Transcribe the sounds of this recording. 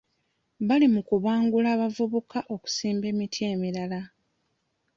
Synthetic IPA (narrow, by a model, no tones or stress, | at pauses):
βalimukuβwaːŋɡulaːβavuβukaʔo̞ku̥siːmbe̞ːmitʰie̞ːmiɾala